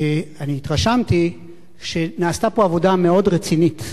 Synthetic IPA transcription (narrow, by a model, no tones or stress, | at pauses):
aniːt̪ʁaʃamti | ʃe̞naːstapo̞avo̞dameo̞dʁet͡sinit̪